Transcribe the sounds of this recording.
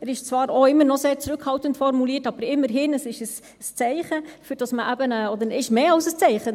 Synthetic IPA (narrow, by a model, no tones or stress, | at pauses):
æːɾɪʃt͡svɑːɾoɪmːəɾnɔseːɾt͡sɾʉkhɑltəntfɔɾmuliːətɑb̥əɾɪmːəɾɦɪnəsɪʃəs | st͡sɛɪχəfyɾd̥ɑsməʔæbənəɔd̪əɾɪʃmeːɑʊsəst͡sɛɪχə